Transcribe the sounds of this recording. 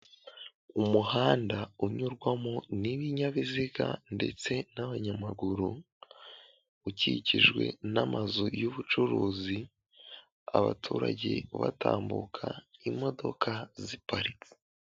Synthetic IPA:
umuhaːndauɲuɾɡwamoniβiɲaβiziɡa̰nde̞̰t͡se̞naβaɲamaɡuɾu | uciciʒɡwe̞̰namazojuβut͡ʃuɾuːzi | a̰βa̰tʰuːɾa̰ɟe̞̰βa̰ta̰ːmbṵkʰaimo̞do̞kʰazipaɾi

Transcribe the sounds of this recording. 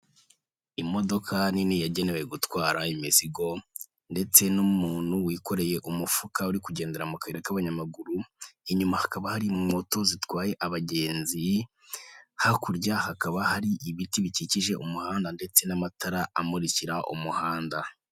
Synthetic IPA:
imo̞do̞kʰaninijaɟe̞ne̞we̞ɡutwaːɾaimisiɡo̞ | nde̞t͡se̞numuːn̥huwiːko̞ɾe̞je̞ʔumufukauɾikuɟe̞ːnde̞ɾamukaeɾekaβaɲamaɡuɾuiɲumahakaβahaɾiŋo̞to̞zitwaːje̞ʔaβaɟe̞ːnzi | hakuɾɟahakaβahaɾiʔiβitiβiciciʒe̞ʔumuhaːndande̞t͡se̞namatʰaɾaa̰muɾiciɾaʔṵmuhaːnda

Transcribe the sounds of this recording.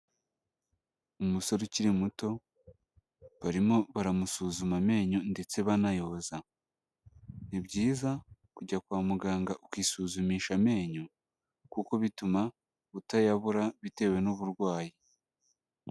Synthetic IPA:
umuso̞ɾuciɾimuto̞ | βaɾimo̞βaɾamusuːzumame̞ːɲonde̞t͡se̞βanajo̞ːza | nibɟiːza | kuɟakwaːmuɡaːŋɡaʔukwiːsuːzumiːʃame̞ːɲo | kuko̞βituma | βutajaβuɾaβite̞ːwe̞nuβuɾɡwaːji

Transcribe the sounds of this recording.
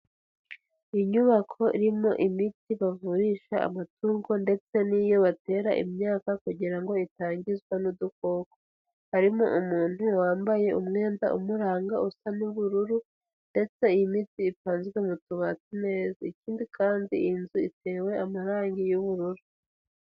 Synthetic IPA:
iɲuβakʰo̞ʔḭɾimo̞ʔimitiβavuɾiːʃaa̰matuːŋɡo̞nde̞t͡se̞nijo̞βate̞ːɾa̰ʔḭmɲaːkakuɟiɾaŋɡo̞itaːɲɟizɡwanuduko̞ːko | haɾimo̞̰ʔumuːn̥huwaːmbaje̞umŋe̞ːnda̰ʔṵmuɾaːŋɡaʔusanuβuɾuɾu | nde̞t͡se̞ijimitiːpaːnzɡemutuβat͡sine̞zaiciːndikʰaːndiinzuitʰe̞ːwe̞amaɾaːŋɡijuβuɾuɾu

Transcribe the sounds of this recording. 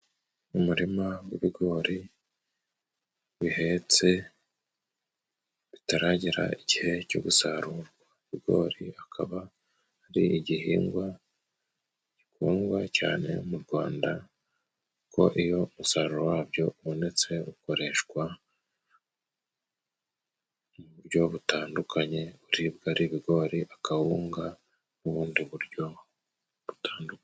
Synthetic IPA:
umuɾimawiβiɡo̞ːɾi | βihe̞t͡se̞ | βitaɾaːɟiɾa̰iɟihe̞co̰ɡusaɾuɾɡwaβiɡo̞̰ːɾiakʰa̰βaː | ɾiiɟiɦiːŋɡwa | ɟ̥ikuːŋɡwaca̰ːne̞̰muɾɡwaːnda | kʰo̞̰ʔijo̞musaɾuɾowaːbɟo̞uβo̞ne̞t͡se̞uko̞ɾe̞ʃkwa | muβuɾɟo̞βutaːndukʰaɲe̞uɾibɡaɾiβiɡo̞ːɾiʔakahuːŋɡa | nuβuːndiβuɾɟo̞ | βu̥tʰaːnduk

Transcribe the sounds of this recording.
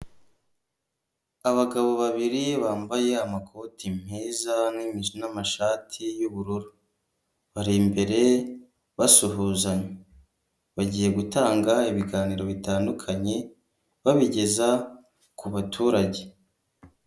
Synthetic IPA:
aβaɡaβo̞βaβiɾiβaːmbaje̞amakʰo̞tim̥hiːzanimizonamaʃaːtʰijuβuɾuɾu | βaɾimbe̞ɾe̞ | βasuɦuːzaɲe | βaɟiːje̞ɡutaːŋɡaiβiɡaːniɾo̞βitaːndukʰaɲe̞ | βaβiɟe̞za | kuβatʰuːɾaɟe̞

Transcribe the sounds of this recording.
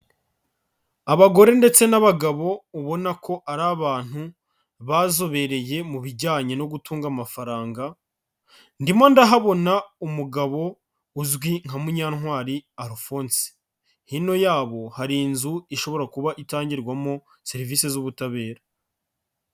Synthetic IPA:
aβaɡo̞ɾe̞nde̞t͡se̞naβaɡaβo̞uβo̞nakʰo̞ʔaɾaːβaːn̥hu | βazo̞βe̞ɾe̞je̞muβiɟaːɲeno̞ɡutuːŋɡamafaɾaːŋɡa | ndimo̞ndaɦaβo̞naumuɡaβo̞ | uzɡwiŋ̥hamuɲaːnhwaːɾiaɾufoːnsi̥ | hino̞jaːβo̞haɾiːnzuiʃo̞βo̞ɾakuβaʔitaːɲɟiɾɡwamo̞ | se̞ɾiviːse̞zuβutaβe̞ːɾa

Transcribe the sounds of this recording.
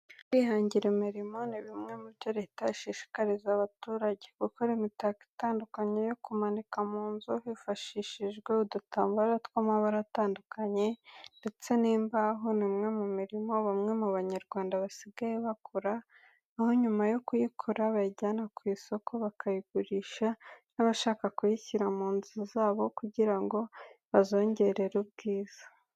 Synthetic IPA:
kwihaːɲɟiɾemiɾimo̞niβimŋe̞muɾjo̞ɾe̞taiʃiʃi̥kaɾizaβatuːɾaɟekukoɾimitaki̥taːndukaɲejo̞kumanikamuːnzohifaʃiːʃiʒɡweudutaːmbuɾatkamaβaɾataːndukaɲe̞nde̞t͡se̞niːmbaɦonimŋe̞mumiɾimo̞βamŋe̞muβaɲaɾɡwaːndaβasiɡajeβakʰoɾaː | ho̞ɲumajo̞kujikʰoɾaβaɟaːnakwiːso̞kʰo̞βakʰajiɡuɾiːʃanaβaʃaːkakujiçiɾamuːnzuzaːβo̞kuɟiɾaŋɡo̞βazo̞ːɲɟe̞ɾe̞ɾubɡiːz̥ḁ

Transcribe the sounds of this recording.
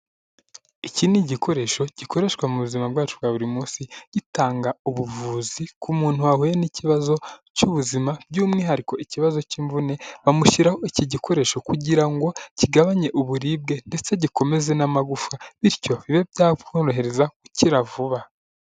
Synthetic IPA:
iciniɟikʰo̞ɾe̞ʃo̞ɟ̥iko̞ɾe̞ːʃkwamuβuzimabɡwaːt͡ʃubɡaːβuɾimuːnsiɟ̥itaːŋɡauβuvuːzikʰumuːntuaɦujeniciβazo̞cuβuzimab̥̚ɟuːmŋiːɦaɾiko̞ʔiciβazo̞ciːɱvune̞βamuʃiɾaho̞iciɟikʰo̞ɾe̞ʃo̞kuɟiɾaŋɡo̞ciɡaβaɲe̞ʔuβuɾiːb̚ɡe̞nde̞t͡se̞ɟiko̞me̞ze̞namaɡufaβiɾco̞βiβe̞bɟaːβɡoɾoɦe̞ɾe̞zakuciɾavuβa

